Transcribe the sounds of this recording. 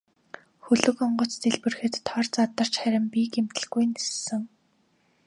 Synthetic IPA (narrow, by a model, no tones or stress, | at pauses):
xɵɮɵ̆kɔɴɢɞ̆t͡st̪ʰeɮpɘ̆rxɘ̆t̪ːʰɔrt͡sat̪ə̆r̥t͡ɕχæɾʲɪ̆mpiːkem̥t̪ɘ̆ɮɡujnessɘ̆ŋ